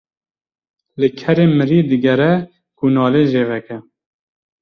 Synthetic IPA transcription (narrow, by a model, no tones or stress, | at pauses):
lɨkʰɛɾeːmɨɾiːd̪ɨɡɛɾɛ | kunɑːleːʒeːvɛkɛ